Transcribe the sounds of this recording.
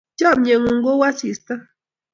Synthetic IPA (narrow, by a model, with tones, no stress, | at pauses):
d͡ʒa˦˨m̚ɲe˨ŋu˨ŋ˦ɡo˦wa˦si˨stə˦